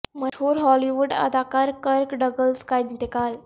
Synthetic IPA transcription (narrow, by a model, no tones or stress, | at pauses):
məʈuːɾɦɔliʋuɖə̰d̪akaɾkəɾkɖəɡəlskajd̪nt̪ekal